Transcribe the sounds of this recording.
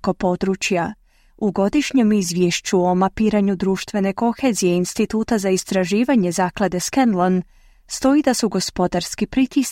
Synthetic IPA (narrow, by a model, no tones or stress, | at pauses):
ko̞po̞d̪ɾuːt͡ɕja | uɡo̞d̪iʃɲe̞mizʋjeʃt͡ɕuo̞mapiːɾaɲud̪ɾuːʃt̪ʋe̞ne̞ko̞xe̞zijeinst̪it̪uːt̪azaist̪ɾaʒiːʋaɲe̞zaːklˠad̪e̞skenlˠon | st̪o̞id̪asuɡo̞spo̞d̪aɾskipɾit̪is